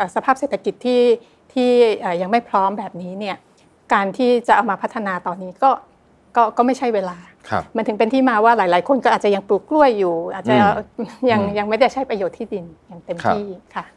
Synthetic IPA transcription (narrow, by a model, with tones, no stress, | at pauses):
ʔəː˨˩sa˧pʰaː˥˩p̚seː˨˩t̪ʰːa˧ki˨˩t̪ʰːiː˥˩ | t̪ʰiː˥˩ʔəː˨˩ja˧ŋma˥˩jpʰɾɔː˦˥mbɛː˨˩p̚niː˦˥ni˥˩ɐ | kaː˧nt̪ʰiː˥˩t͡ɕa˨˩ʔa˧wmaː˧pʰa˦˥t̪ʰːa˧naː˧t̪ɔː˧nːiː˦˥kɔː˥˩ | kɔː˥˩kɔː˥˩ma˥˩jt͡ɕʰa˥˩jweː˧laː˧ | kʰa̰˧˩ma˧˥nt̪ɯ˩˦pe˧nt̪ʰiː˥˩maː˧waː˥˩laː˩˦jlaː˩˦jkʰo˧nkɔː˥ʔaː˨˩t̚t͡ɕa˨ja˧ŋpluː˨˩k̚klu˥˩əjːuː˨˩ʔaː˨˩t̪̚t͡ɕa˨˩ja˧ŋja˧ŋma˥˩jda˥˩jt͡ɕʰa˦˥jpɾa˧joː˨˩t̪ʰːiː˥˩di˧njaː˨˩ŋt̪e˧mt̪ʰiː˥˩kʰa˥˩